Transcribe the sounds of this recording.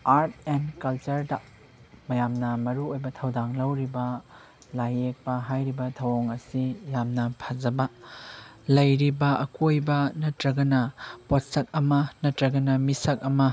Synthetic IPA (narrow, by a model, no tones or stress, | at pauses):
aɾt̚ʰendkɐlt͡ʃɐɾdɐ | mɐjamnɐmɐɾuojbɐtʰɐwdaŋlɐwɾibɐ | lajek̚pɐɦajɾibɐtʰɐwoŋɐsilamnɐpʰɐzɐbɐ | lɐjɾibɐʔɐkojbɐnɐtɾɐɡɐnɐpot̚sɐk̚ɐmɐnɐtɾɐɡɐnɐmisɐk̚ɐmɐ